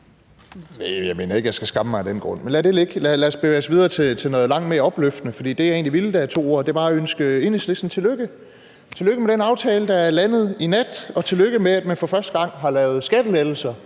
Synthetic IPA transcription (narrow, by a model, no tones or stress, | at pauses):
nejɑ̈ɪme̝̰ːnɐe̝ɡ̥jɑɪsɡ̥æsɡ̥ɑ̈məmɑ̈ɪd̥enɡ̥ʁɔ̽n̰menlæɐd̥ele̝ɡ̥lælæɐsb̥eʋeːɐsʋið̞ˠɐːt͡sʰe̝t͡sʰe̝nɔ̽ːðˠlɑ̈ŋ̰d̥meɐɒ̽b̥løfd̥ənəfɒ̽d̥ḭːd̥e̝jɑe̝ːnliʋild̥ææɐt͡sʰo̝̰ːo̝ɐ̰d̥e̝b̥ɑ̈ːæønsɡ̥əe̝nəsle̥sn̩t͡sʰe̝løɡ̥ə | t͡sʰe̝løɡ̥əmeɾ̥enɑ̈ʊt͡sʰɛːləd̥ɑ̈æɐlænð̞̩ˠinæd̥ɒ̽t͡sʰe̝løɡ̥əmeæd̥mænfɒ̽fɶɐsd̥əɡ̥ɑ̈ŋ̰ɦɑ̈lɛːʊð̞̩ˠsɡ̥æd̥əleð̥l̩sɐ